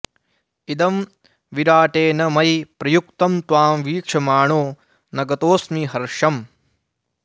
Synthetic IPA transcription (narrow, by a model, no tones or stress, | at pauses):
id̪ɐm | ʋiɾaːʈeːnɐmɐjpɾɐjukt̪ɐmt̪wʋaːmʋiːkʂɐmaːɳoː | nɐɡɐt̪oːsmiɦɐɾʂɐm